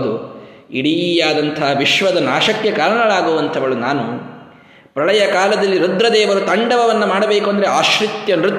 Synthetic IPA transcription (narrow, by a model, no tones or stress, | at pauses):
d̪uiɽijaːd̪ɐnt̪ʰɐɦɐʋiʃʋɐd̪ɐnaːʃɐkːekaːɾɐɳɐɭaːɡuːʋɐnt̪ʰɐʋɐɭunaːnu | pɾɐɭɐjɐkaːlɐd̪ɐlːiɾud̪ɾɐd̪ɛːʋɐɾut̪ɐɳɖɐʋɐʋɐnːɐmaːɽɐbeːkuɐnd̪ɾeaːʃɾit̪jɐnɾut̪ː